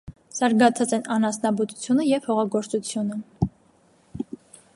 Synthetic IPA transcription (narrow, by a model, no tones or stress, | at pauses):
z̥ɑɾɡɑt͡sʰɑt͡sɛnɑnɑsnɑbut̪u̥t͡sʰjunəjɛv̥hɔʁɑɡɔɾt͡sut͡sʰjunə